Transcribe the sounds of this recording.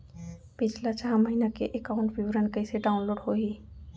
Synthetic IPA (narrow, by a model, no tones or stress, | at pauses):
pit͡ʃʰlat͡ʃaɦaməɦinakḛʔekaʊɳʈbʱibɾankəjseɖaʊnloɖɦoɦi